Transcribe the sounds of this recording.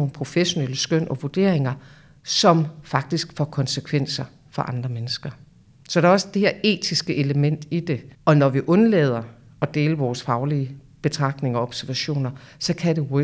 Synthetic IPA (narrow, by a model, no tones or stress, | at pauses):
n̩pʰʁo̝feɕo̝neləsɡ̥øn̰ʔɒ̽ʋuɐd̥e̝̰ɐ̰e̝ŋɐ | sɒ̽mfɑ̈ɡ̥̚d̥isɡ̥fɒkʰɒ̽nsəkʰʋen̰sɐ | fɒ̽ʔɑ̈nd̥ʁɐmenəsɡ̥ɐ | sɒ̽d̥ëɒ̽səd̥eheɐe̝̰ːt͡sʰisɡ̥əʔe̝ləmen̰d̥id̥e̝ɒ̽nɒʋiʔɔ̽nlḛːð̞ˠɐ | ɒ̽d̥e̝ːləʋɒːsfɑ̈ʊliə | b̥e̝t͡sʰʁɑ̈ɡ̥̚dne̝ŋɒ̽ɒ̽b̥sæɐʋæɕo̝̰ːnɐsɒ̽kʰæde̝we